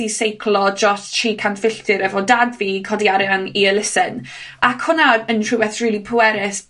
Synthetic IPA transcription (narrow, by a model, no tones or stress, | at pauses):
isejkʰlɔd͡ʒɔsʃiːkʰantfɪɬtʰɪɾɛvɔdadviːkʰɔdiaɾɛaŋiəlɪsɪn | akhʊnaəntʰrɨwɛθriːlˠipʰəwɛɾɪs